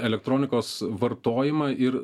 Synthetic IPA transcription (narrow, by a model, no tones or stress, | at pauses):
ɛlʲɛk̚t̪ɾoːnʲɪkoːsʋɐɾt̪oːjɪmɑʔɪɾ